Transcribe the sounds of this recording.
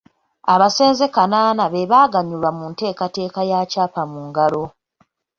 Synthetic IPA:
aβase̞ːnzekanaːnaβe̞βaːɡaɲulwamunte̞ːkate̞ːkajacaːpamuːŋɡalo̞

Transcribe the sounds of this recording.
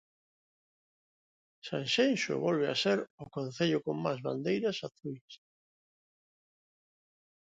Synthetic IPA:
sã̰nʃenʃo̰βolβ̞ea̰seɾʊkõn̟θeʎʊkoŋmazβa̰nd̪ejɾasaθuis

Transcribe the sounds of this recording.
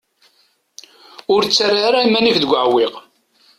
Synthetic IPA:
ʊɾt͡sːaraɾaimænifðəɡʷəʕwiq

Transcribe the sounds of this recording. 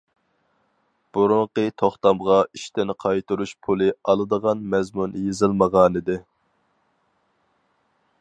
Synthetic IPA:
b̥uɾʊɴqət̪ʰoχt̪ɑmʁɑiʃt̪ɪnɪqʰɑjt̪uɾuʃpʰulˠɨɑlˠɨd̪əʁɑnmɛzmunjezɨlˠməʁɑːnɨd̪ɪ

